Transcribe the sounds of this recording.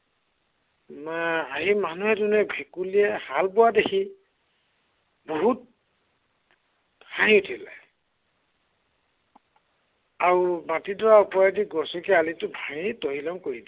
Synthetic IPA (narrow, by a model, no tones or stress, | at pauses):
maaɦimanuɦɛdunɛbʱekulijɛhalpʊwadekʰi | bɔɦut̚ | haɦĩutʰila̰ | aumatidɔɹaɔpɔadiɡɔsɔkɛalitʊbʱãitɔɦilɔŋkoɹid